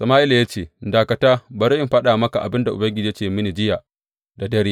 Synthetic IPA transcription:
sɐ˨maː˦ʔɪ˦lja˦t͡ʃeː˨daː˨kɐ˨taː˦bɐ˨ɾɐ˦ɪ˨mɸɐ˦ɗaː˨mɐ˦ka˨ʔa˨bɪ˦nda˨ʔʊ̰˨bɐ˦ŋɡʲɪ˨d͡ʒiː˦t͡ʃeː˨mɪ˦ne˨d͡ʒɪ˦jaː˨ | da˨dɐ˦ɾeː˦ʔ

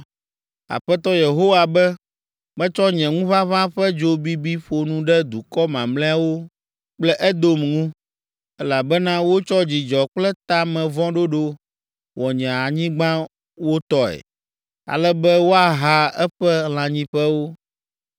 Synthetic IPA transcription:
a̰˨ɸɛ˦t̪ɔ˦je˨ɦo˦wa˨bɛ˦ | mɛ̃˦t͡ʃɔ˦ɲɛ̃˨ŋũ˦vã˦vã˦ɸɛ˦d͡ʒo˦bi˦bi˦ɸo˨nũ˦ɖɛ˦d̪u˨kɔ˦mã˨mlɛ̃˦a˨wo˦ | k͡plɛ˦ʔɛ˦d̪o˦mŋũ˦ | ɛ˦la˨bɛ˦nã˦wo˦t͡ʃɔ˦d͡ʑi˨d͡ʒɔ˨k͡plɛ˦t̪a˦mɛ̃˨vɔ̃˦ɖo˦ɖo˦ | wɔ˨ɲɛ̃˨a˨ɲĩ˦ɡ͡bã˦ | wo˦t̪ɔ˦ɛ̰˨ | a̰˨lɛ˦bɛ˦wo˦a˨ɦa˦ɛ˦ɸɛ˦l̃ã˨ɲĩ˦ɸɛ˦wo˦

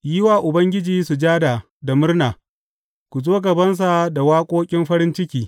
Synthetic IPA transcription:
jɪ˦waː˨ʔʊ˨bɐ˦ŋɡʲɪ˦d͡ʒiː˨su˨d͡ʒaː˦daː˨ | da˨mʊ˦rnaː˨ | kʷu˨zoː˦ɡɐ˨bɐ˦ns̬a˨da˨waː˦kʷʼoː˦kʲʼɪ˦mɸɐ˦ɾɪ˦nt͡ʃɪ˦kʲiː˦

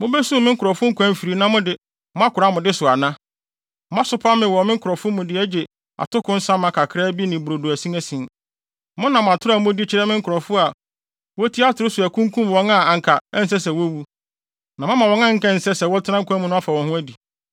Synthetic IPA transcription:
mʊ̃˦bæ˦sũ˦˨mɪ̃˦ŋ̩˦kʊ˨ɾɔ˨fʊ˦ŋ̩˦kʰʷæ̃˦m̩˨fi˨ɾi˨˦nã˦mʊ̃˦dɪ˨ | m˦ã˦kʰʊ˨ɾa˦˨mʊ̃˨dɪ˦sʊ˨a˨nã˦ | ã˦sʊ˦pʰa˦mɪ̃˨wɔ˨mɪ̃˦ŋ̩˦kʰʊ˨ɾɔ˨fʊ˦mʊ̃˨dɪ˦æ˦d͡ʑe˨ | a̰˨tʊ˦kʰʊ̃˦n̩˦sã˦mã˨kʰa˨kʰɾa˦bi˦nɪ̃˨bɾo˨du˨æ˨sĩ˦æ˦sĩ˨n | mʊ̃˦nã˨m˨a˨tʰʊ˦ɾa˨mʊ̃˦di˦t͡ɕʰɪ˦ɾɛ˦mɪ̃˦ŋ̩˦kʰʊ˨ɾɔ˨fʊ˦a˨ | wɔ˦tʰi˦a˦tʰʊ˨ɾʊ˦sʊ˨æ˨kʰũ˦ŋ˦kʰũ˦m˨wɔ̃˦ŋã˦a˨ŋ˨kʰa˨ɛ˦n̩˨s̬ɛ˦sɛ˨wɔ˦wu˦ | nã˨mã˦mã˨wɔ̃˦ŋã˦ŋ̩˦kã˦n̩˨sɛ˦sɛ˨wɔ˦tʰɪ˦nã˦ŋ̩˦kʰæ˦mũ˦nʊ̃˦a˦fa˨wɔ̃˨nhʊ̃˦æ˦di˨

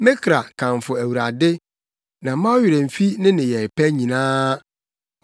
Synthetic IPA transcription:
mɪ̃˦kʰɾa˨kʰã˨mfʊ˨æ˨wu˨ɾa˨dɪ˦ | nã˨mã˦wɥɪ˨ɾɛ˨m̩˨fi˦nɪ̃˦nɪ̃˨jɛ˨pʰæ˦ɲĩ˨nãː˦

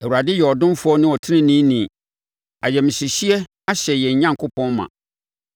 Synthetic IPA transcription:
ɛ˨u˨ɾa˨dɪ˦jɛ˨ɔ˨dʊ̃˦mfʊ˦ɔ˦nɪ̃˦ɔ˨tʰɪ˦nɪ̃˦nĩ˦nĩ˨ | a˨jɛ˨mɪ̃˨si˨ɕi˦ɛ˦ | a˦ɕɛ˨jɛ˨ɲ̩˨˦ɲã˦ŋkʰʊ˦pʰɔ̃˦nmːã̰˨

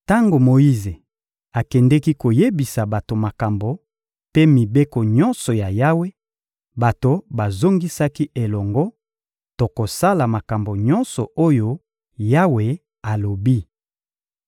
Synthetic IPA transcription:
ta˦ŋɡo˨mo˨ji˦ze˨ | a˨kɛ˨ndɛ˦ki˦ko˨je˦bi˨sa˨ba˨to˨ma˨ka˨mbo˨ | pe˦mi˨be˦ko˨ɲɔ̃˦nsɔ˨ja˨ja˦we˦ | ba˨to˨ba˨zo˦ŋɡi˦sa˦ki˦ʔe˨lɔ˨ŋɡɔ˦ | to˨ko˨sa˦la˨ma˨ka˨mbo˨ɲɔ˦nsɔ˨o˦jo˦ | ja˦we˨ | a˨lo˨bi˦

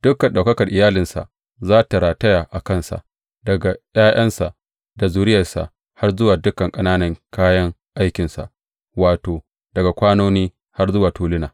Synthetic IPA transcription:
d̥ʊ˦kːɐ˨nɗa˨wkɐ˦kɐ˨rʔɪ˨jaː˦lɪ˨nsa̰˨ʔ | zaː˦ta˨ɾaː˨tɐ˦jaː˨ʔa˨kɐ˦˨nsa̰˨ʔ | dɐ˨ɡa˨jaː˦j̰ɐ˦nsa˨ʔ | da˨zuː˨ɾɪ˦jɐ˨rsa̰˨ʔ | ha˦rzʊ˦waː˨dʊ˦kɐ˨ŋkʼɐ˦naː˦nɐ˦ŋkaː˦jɐ˦ŋʔa˦jkʲɪ˨nsa̰˨ʔ | waː˨toː˨ | d̥ɐ˨ɡa˨kʷaː˦noː˦niː˦ | ha˦rzʊ˦waː˨tuː˨˦lɪ˦naː˨

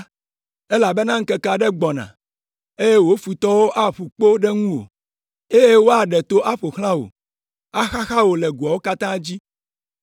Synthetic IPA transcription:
e˦la˨be˦nã˦ŋ̩˦kɛ˦ka˨ɖɛ˦ɡ͡bɔ˨nã̰˨ | e˦je˦wo˦fu˨t̪ɔ˦wo˦ʔa˦ɸu˨k͡po˦ɖe˦ŋũ˦wo̰˨ | e˦je˦wo˦a˨ɖɛ˨t̪o˦ʔa˦ɸo˨xl̃ã˦wo̰˨ | a˦xa˦xa˦wo˨lɛ˨ɡu˨a˨wo˦ka˦t̪ã˦d͡ʑi˦

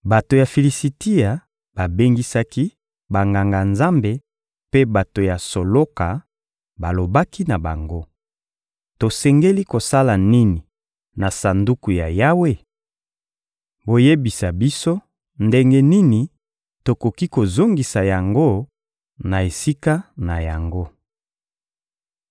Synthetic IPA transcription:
ba˨to˨ja˨fi˨li˨si˨ti˦a˨ | b̥a˨be˦ŋɡi˦sa˦ki˦ | ba˨ŋɡa˨ŋɡa˨nza˦mbe˨ | pe˦ba˨to˨ja˨so˨lo˦ka˨ | ba˨lo˨ba˦ki˦na˨ba˨ŋɡo˦ | to˨sɛ˨ŋɡe˦li˦ko˨sa˦la˨ni˦ni˨ | na˨sa˨ndu˦ku˨ja˨ja˦we˦˨ | bo˨je˦bi˨sa˨bi˦so˦ | nde˦ŋɡe˦ni˦ni˨ | to˨ko˨ki˦ko˨zo˦ŋɡi˨sa˨ja˨ŋɡo˦ | na˨e˨si˦ka˦na˨ja˨ŋɡo˦

